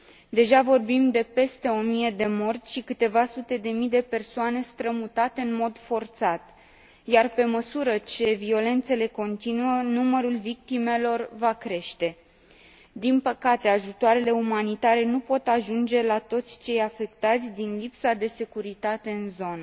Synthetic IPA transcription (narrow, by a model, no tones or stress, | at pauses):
d̪e̞ʒavo̞rbimd̪e̞pe̞st̪e̞o̞mije̞d̪e̞mo̞rt̪ʲʃikɨt̪e̞vasut̪e̞d̪e̞mijd̪e̞pe̞rsoane̞st̪ɾəmut̪at̪e̞ɨnmo̞d̪fo̞rt̪sat̪ | jarpe̞məsuɾət͡ʃe̞vio̞le̞nt̪se̞le̞ko̞nt̪inuənuməɾulvik̚t̪ime̞lo̞rvakɾe̞ʃt̪e̞ | d̪inpəkat̪e̞aʒut̪oaɾe̞le̞umanit̪aɾe̞nupo̞t̪aʒund͡ʒe̞lat̪o̞t̪sʲt͡ʃe̞jafe̞k̚t̪at̪sʲd̪inlipsad̪e̞se̞kuɾit̪at̪e̞ɨnzo̞nə